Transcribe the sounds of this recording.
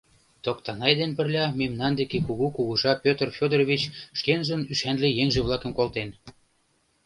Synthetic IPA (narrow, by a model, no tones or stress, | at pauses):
t̪okt̪ɑnɑjd̪enpə̆rlʲɑmemnɑnd̪ekekuɣukuɣuʒɑpʲøt̪ərfʲod̪əroβʲit͡ɕʃkenʒə̆nyʃænlĕjeŋʒĕβlˠɑkə̆mkolt̪en